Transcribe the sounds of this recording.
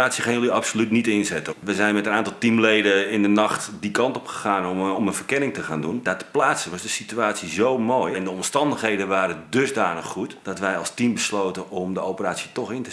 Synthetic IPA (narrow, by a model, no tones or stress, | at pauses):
aːsjiəxanjəliɑpsolytnitɪnzɛtəʋɛjzɛjnmɛtənaːntɑlˠtimlejdəɪndənɑxtdikɑntɔpxə̥χaːnmənvərkɪnɪŋtəxaːndundatə̥plaːsəʋɑsdəsityaːsizowmoːjɪndəɔmstɑndəxɦejdəʋaːɾədøzdaːnəxːutd̥ɔtʋɛjɑlˠstimbəsloːtənɔmdəowpəraːsitɔxɪntə